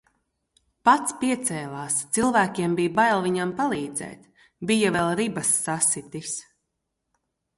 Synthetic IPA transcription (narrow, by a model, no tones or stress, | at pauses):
pat̪spiɛt̪sɛːlˠaːst̪silˠvæːkʲiɛmbijbajlˠviɲampalˠiːd̪zɛ̰ːt̪ | bijavɛlˠɾibasːasit̪is